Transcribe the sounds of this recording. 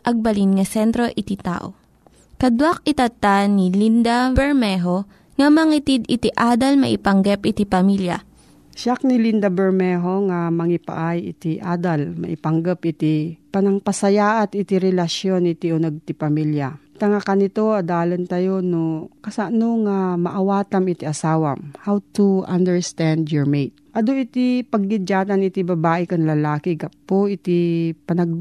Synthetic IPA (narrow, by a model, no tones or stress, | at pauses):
ʔɐɡ̚bɐlinŋɐsɛnt̪ɾo̞ʔɪt̪it̪a̰ːʔo̞̰ | kɐd̪wak̚ɪt̪ɐt̪anilind̪ɐbɛɹmɛɦo̞ | ŋɐmɐŋit̪id̪ɪt̪iʔaːd̪ɐlmɐ̰ʔɪpɐŋɡɐp̚ʔɪt̪ipɐmiljɐ̰ | ʃak̚nɪlind̪ɐbɛɹmɛɦo̞ŋamɐŋɪpa̰ʔajɪ̰t̪iʔad̪ɐlmɐ̰ʔɪpɐŋɡapɪt̪ipɐnɐŋpɐsɐjaːʔat̪ɪt̪iɾɛlɐʃjonʔɪt̪iʔonɐɡ̚t̪ɪpɐmiljat̪ɐŋakɐnɪt̪oɐd̪aːlɐnt̪ɐjonokɐsaʔnoŋamɐʔɐwaːt̪ɐmɪt̪iʔɐsaːwɐmhawt̪uand̪ɛɹst̪and̪jɔɹmejt̪̚ʔɐd̪oʔɪt̪ipɐɡːɪd͡ʒaːt̪ɐnɪt̪ɪbɐbaːʔɪkɐnlɐlaːkɪɡapoʔɪt̪ɪpɐnɐɡ̚